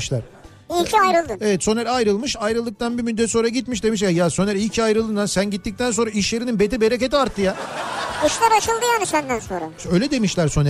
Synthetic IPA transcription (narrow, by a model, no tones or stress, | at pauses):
ʃlʲˠaɾ | ilʲcʰiajɾɯlˠd̪ɯevɛt̪so̞næɾajɾɯlˠmɯʃajɾɯlˠːɯk̚t̪ʰanbimyd̪d̪ɛt̪so̞nɾaɟit̪miʃd̪e̞miʃ̬jajaso̞nɛɾilʲcʰajɾɯlˠd̪ɯnasænɟit̪ːic̚t̪ænso̞nɾaiʃjeɾininbe̞t̪ibe̞ɾec̬e̞t̪iaɾt̪ʰːɯja | iʃlʲaɾat͡ʃɯlˠd̪ɯjanɯʃbænd̪ænsonɾa̰øjlʲɛd̪e̞miʃlʲæɾso̞n